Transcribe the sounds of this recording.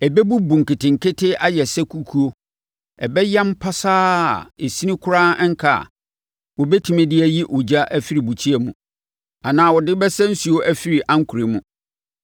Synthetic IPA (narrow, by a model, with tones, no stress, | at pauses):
ɛ˨bɛ˦bu˦bũ˨ŋ̩˨kɪ˨tɪ̃˨ŋ̩˨kʰɪ˦tɪ˦a˦jɛ˨sɛ˦kʰu˦kʰu˦o˦ | ɛ˨bɛ˦jɛ̃˦m˦pʰa˦saː˦˨e˨si˦nĩ˦kʰʊ˦ɾa˦ŋ̩˦kʰa̰˨ | wɔ˨bɛ˦tʰu˨mɛ̃˦dɪ˦æ˦ji˦ʔo˨d͡ʑa˦ʔæ˦fi˦ɾi˨bu˨t͡ɕʰi˦ɛ˨mũ˨ | a˨nãː˨wɔ˨dɪ˦bɛ˦sɛ̃˦n̩˦su˨˦o˦ʔæ˦fi˦ɾi˨ʔã˦ŋ̩˦kʰu˨ɾe˨mũ˨